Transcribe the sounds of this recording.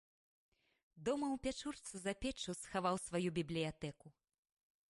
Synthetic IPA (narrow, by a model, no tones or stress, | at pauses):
d̪ɔmɐwpʲat͡ʂurt̪sɨzɐpʲɛt͡ʂusxavawsvajubʲiblʲijat̪ɛku